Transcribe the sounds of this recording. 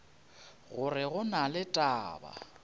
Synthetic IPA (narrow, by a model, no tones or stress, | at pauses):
ɣʊrɪɣʊnalɪtʼaːba̰